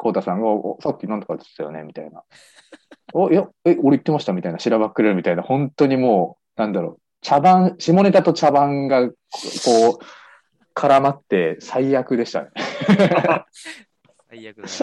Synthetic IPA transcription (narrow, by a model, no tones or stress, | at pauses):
kʰo̞ːt̪asãŋɡaʔsakʲːinãnt̪okat̪e̥t̪ːajo̞̰ne̞mʲit̪aina̰ | ojaeo̞ɾeit̪ːe̞maɕi̥t̪amit̪ainaɕiɾaβakːɯɾe̞ɾɯ̟mʲit̪ainahõ̞nt̪o̞ɲ̟imo̞ː | nãnd̪aɾo̞̰ | t͡ɕabãɰ̃ɕimo̞ne̞t̪at̪o̞t͡ɕabãŋɡa | ko̞ː | kʰaɾamat̪ːe̞saijakɯ̟d̪e̞ɕi̥t̪a̰ne